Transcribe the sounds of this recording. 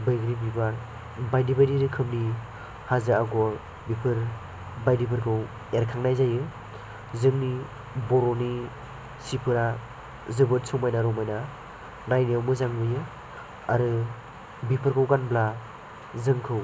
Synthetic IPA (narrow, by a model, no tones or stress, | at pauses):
bɯjɡɾibibaɾ | bajdibajdiɾɯkʰɯmni | hazaaɡɔ | bipʰɯɾ | bajdipʰɯɾkʰɯw | eɾkʰaŋnajzajɯ | zɯŋni | bɔɾɔni | sipʰɯɾa | zɯbɯt̚sɔmajnaɾɔmajna | najniawmɯzaŋbɯjɯ | a̰ɾɯ | bipʰɯɾkʰɯwɡanbla | zɯŋkʰɯw